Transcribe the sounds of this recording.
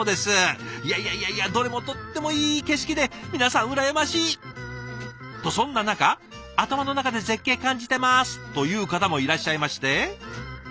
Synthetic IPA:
d̪e̞sɨjaijaiaiad̪o̞ɾe̞mo̞t̪o̞t̪ːe̞mo̞iːke̞ɕ̬i̥kʲid̪e̞mʲinasãɰ̃ɯ̟ɾajemaɕiː | t̪o̞sõ̞nːanakaː | t̪amano̞nakad̪e̞ze̞kːe̞ːkãɲ̟d͡ʑit̪e̞masɨ̥t̪o̞jɯ̟ːkat̪amo̞iɾaɕːaimaɕi̥t̪e̞

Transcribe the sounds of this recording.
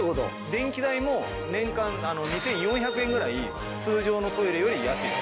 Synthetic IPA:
kot̪o̰ | d̪ẽ̞ŋkʲid̪aimo̞ | nẽ̞ŋkãnano̞ɲ̟isẽ̞ɰ̃jõ̞ɰ̃çakɯ̟ẽ̞ŋɡɯɾai | sɨːʑo̞ːno̞t̪o̞iɾejo̞ɾʲijasɨḭ

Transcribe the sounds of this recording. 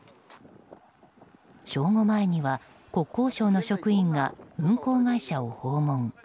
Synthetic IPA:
ɕo̞ːŋo̞mae̞ɲ̟iβa | ko̞kːo̞ːɕo̞ːno̞ɕo̞kɯ̟ĩŋɡaɯ̟̃ŋko̞ːɡaiɕaoho̞ːmõ̞ŋ

